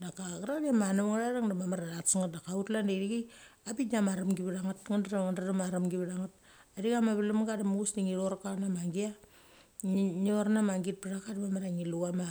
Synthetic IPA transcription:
dakaɡaɾadamanumŋaɾaɾaŋdamamaɾaɾatsaŋat̚dakautlandeɾiɡi | apitnamaɾamɡiβiɾaŋatŋandaɾaŋandaɾamaɾamɡiβɾaŋat̚ | adiɡamaβilumɡadamuusniŋiɾoɾkanamaŋɡia | ɲoɾnamaŋɡit̚piɾakadamamaɾaŋiluama

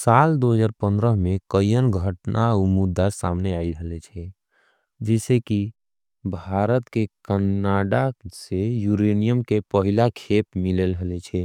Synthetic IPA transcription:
sald̪oɦəd͡ʒaːɾpənd̪ɾəɦmekəjjənɡʱəʈnʔaumud̪ːasa̰mneaiɾɦəlɛt͡ʃʰɛ | d͡ʒɛseki | bʱaɾət̪kekənːaɖasejuɾenijəmkepəɦilakʰepmilelɦəlɛt͡ʃʰɛ

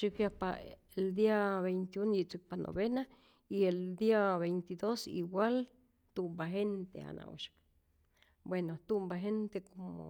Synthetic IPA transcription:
ʃikjapa̰ | eld̪iaβejnt̪iunjit͡sɨk̚pano̰βena | ield̪iaβejnt̪id̪osḭwal | t̪umbaɦent̪ḛa̰nʔa̰wṵʃi̥k | bwenot̪umbaɦent̪ekomo̰

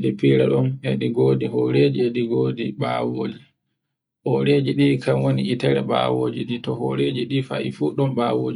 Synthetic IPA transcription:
ɗipiɾaɗɔnɛɗiɡoːdihɔɾed͡ʒieɗiɡoːdiɓawoːd͡ʒi | hɔɾed͡ʒiɗiːkamwoniitɛɾɛɓa̰ːwoːd͡ʒiɗitɔhɔ̰ɾed͡ʒiɗifa̰ifuːɗɔmɓawoːd͡ʒi

